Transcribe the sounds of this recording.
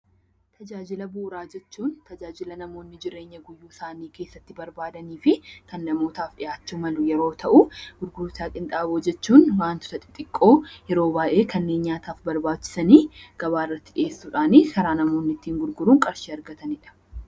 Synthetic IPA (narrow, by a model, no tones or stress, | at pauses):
t̪ʰɐd͡ʒaːd͡ʒɪlɐbʊʔʊɾaːd͡ʒɛt͡ʃːuːnt̪ɐd͡ʒaːd͡ʒɪlɐnɐmo̞ːnːɪd͡ʒɪɾe̞ːɲːɐɡʊjːuːɪsaːniːke̞ːsːɐt̪ːɪbɐɾbaːd̪ɐniːfɪkɐnːɐmo̞ːt̪aːfɗɪjaːt͡ʃːuːmɐlʊjɛɾo̞ːt̪ʰɐʔʊɡʊɾɡʊɾʊt̪aːkʼɪnt̪ʼaːboːd͡ʒɛt͡ʃːuːnwaːnt̪ʊ̥t̪ɐt̪ʼɪ̥t̪ʼɪkʼːo̞ːjɛɾo̞ːbaːʔe̞ːkʰɐnːe̞ːnɲaːt̪aːfbɐɾbaːt͡ʃːɪ̥sɐniːɡ̥ɐβaːɪrːɐt̪ːɪᶑɪeːsːuːᶑaːnikɐɾaːnɐmoːnːɪt̪ːiːŋɡʊɾɡʊɾuːŋkʼɐɾʃiːɐɾɡɐt̪ɐnɪᶑɐ̥